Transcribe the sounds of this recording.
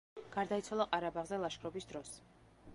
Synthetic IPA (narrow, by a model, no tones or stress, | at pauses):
ɡ̥aɾd̪ait̪sʰwalˠaqʼaɾabaʁzɛlˠaʃkʰɾɔbisd̪ɾɔs